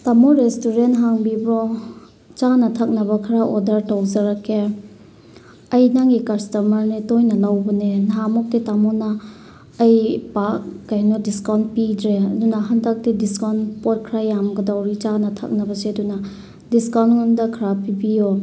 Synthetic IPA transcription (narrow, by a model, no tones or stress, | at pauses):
tamoɾestuɾentɦaŋbibɾɔ | t͡ʃanɐtʰak̚nɐbɐkʰɐɾaʔodɐɾtawzaɾakʰːe | ɐjnaŋɡikastomɐɾnetojnɐlawbɐnenɦamɔk̚titamɔnaː | jpak̚ːajnɔdiskawntpidɾeɐdunaɦandak̚tidiskawnpɔt̚kʰɾajamɡɐdawɾit͡ʃanɐtʰa̰k̚nɐbɐseɐduna | diskawnŋɔndɐkʰɾapibio